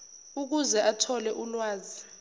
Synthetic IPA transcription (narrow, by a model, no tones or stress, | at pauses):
uk̬uzɛʔatʰɔlɛʔulwaːzi